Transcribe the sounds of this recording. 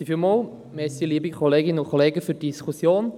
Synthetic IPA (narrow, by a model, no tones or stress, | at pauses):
ifilmoːl | mɛsiliːəbikʰɔleːɡɪnəʊkʰɔleːɡəfyɾdiskʰusjoːn